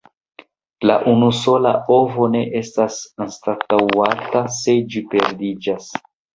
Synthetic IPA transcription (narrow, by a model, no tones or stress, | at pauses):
laʔunuso̞la̰o̞vo̞ne̞ʔe̞stasanstatawatase̞d͡ʒipe̞ɾdid͡ʒas